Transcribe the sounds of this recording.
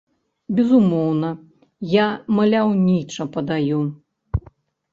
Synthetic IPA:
bʲɛzumɔwnɐ | jamɐlʲawnʲit͡ʂɐpɐd̪aju

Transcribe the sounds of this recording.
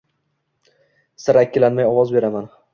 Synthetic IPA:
sɪɾakʲːɪlanmajɒwɒzbe̞ɾaman

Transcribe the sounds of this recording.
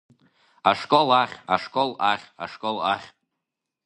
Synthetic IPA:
aʂkʼolaχʲa̰ʂkʼolaχʲa̰ʂkʼolaχʲ

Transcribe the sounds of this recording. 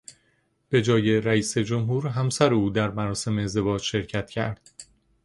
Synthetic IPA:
b̥e̞d͡ʒɒːje̞ɾæiːse̞d͡ʒo̞mɦuːɾɦæmsæɾeuːd̪æɾmæɾɒːse̞meːzd̪e̞vɒːd͡ʒʃe̞ɾcʰæt̪ʰcʰæ̰ɾd̪̥

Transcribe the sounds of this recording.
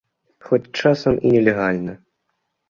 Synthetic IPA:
xɔt͡sʲt͡ʂasɐmʔḭnʲɛlʲɛɣalʲnɐ

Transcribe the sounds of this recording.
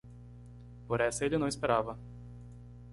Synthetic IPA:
poɾɛsɐelɪnɐ̃w̃ɪspeɾavɐ

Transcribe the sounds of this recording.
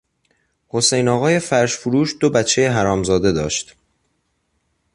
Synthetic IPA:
ho̞sejnɒːɣɒːje̞fæɾʃfuɾuːʃd̪obæt̪t͡ʃʰːejeɦæɾɒːmzɒːd̪e̞d̪ɒ̰ːʃt̪

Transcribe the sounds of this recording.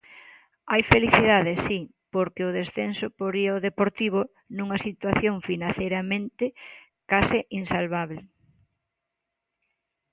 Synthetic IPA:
ajfeliθiðaðesi | poɾkɪʊð̞esθensopoɾiaoðepoɾt̪iβ̞o | nũŋɐsit̪waθjoŋfinaθejɾɐmẽnt̪ɪ | kasɪʔinsalβaβle

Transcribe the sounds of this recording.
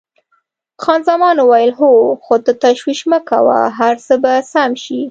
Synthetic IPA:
xɑnzamɑnowajəlɦoxot̪ət̪aʃwiʃməka̰wa̰ɦaɾsəbasamʃi

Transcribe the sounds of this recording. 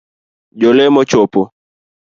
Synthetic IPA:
d͡ʒɔlɛmɔt͡ʃɔpɔ

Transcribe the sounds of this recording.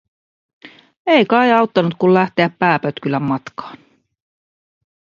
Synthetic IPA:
ejkɑjɑwt̪ːɑnut̪̚kullæht̪eæpːæːpøt̪kylæmːɑt̪kɑ̥ːn

